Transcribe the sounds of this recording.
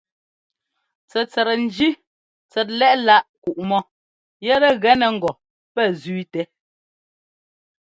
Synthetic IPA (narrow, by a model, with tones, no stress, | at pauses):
t͡sɛ˨t͡sɛ˨ɾɛ˨n̩˨˦d͡ʒi˦ | t͡sɛ˨t̬̚lɛ˦ʔla˦˨ʔku˨ʔmɔ˦ | jɛ˦ɾɛ˦ɣɛ˦nɛ˨ŋ̩˨ɡɔ˨ | pɛ˦˨ziː˦tɛ˦